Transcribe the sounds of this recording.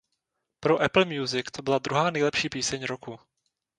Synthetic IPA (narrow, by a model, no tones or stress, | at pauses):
pɾoʔɛpl̩mjuzɪkt̪obɪlad̪ɾuɦaːnɛjlɛpʃiːpiːsɛɲɾoku